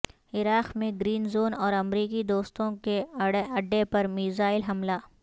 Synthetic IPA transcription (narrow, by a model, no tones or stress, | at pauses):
ɪɾaːqmẽɡɾiːnzoːnɔːɾɐmɾiːkid̪oːst̪õkeɐɖːepɐɾmiːzaːɪlɦɐmlaː